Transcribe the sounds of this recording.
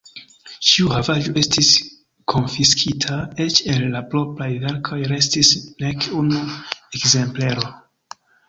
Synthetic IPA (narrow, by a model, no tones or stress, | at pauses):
t͡ʃiuhavad͡ʒo̞e̞stis | kʰo̞nfiskʰitʰae̞t͡ʃe̞lːaplo̞plajve̞ɾkʰo̞jɾe̞stisne̞kunuekze̞mple̞ɾo̞